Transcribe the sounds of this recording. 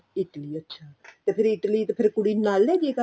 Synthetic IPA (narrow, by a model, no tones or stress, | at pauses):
ɪʈliːətːʃʰaːt̪eːpʰɪɾɪʈliːt̪epʰɪɾkʊɽiːnaːlːɛːd͡ʒeːka